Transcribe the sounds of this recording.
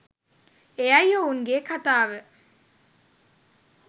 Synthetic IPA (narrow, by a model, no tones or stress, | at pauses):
eɐjouŋɡeːkat̪aːʋə